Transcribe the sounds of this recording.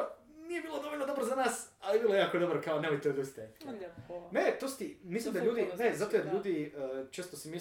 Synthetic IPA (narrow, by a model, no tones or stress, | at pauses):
nijebiːlˠod̪oolʲnod̪obɾozanaːsalijebiːlojjaːkod̪o̞bɾokaonemojt̪eod̪ust̪ajit̪ | net̪ost̪imislˠimd̪alʎuːd̪inezat̪ojed̪ʎuːd̪iət͡ʃe̞ːst̪osimi